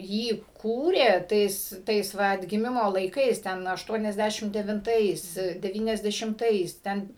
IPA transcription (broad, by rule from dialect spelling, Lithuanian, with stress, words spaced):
ˈjiː ˈkuːrʲeː ˈtɐɪs ˈtɐɪs ˈʋɐ ɐdʲɡʲɪˈmʲɪmoː lˠɐɪˈkɐɪs ˈtʲɛn ɐʃˌtuɔnʲɛzʲˈdʲæʃʲɪm dʲɛʋʲɪnˈtɐɪs dʲɛˌʋʲiːnʲɛzʲdʲɛʃʲɪmˈtɐɪs ˈtʲɛn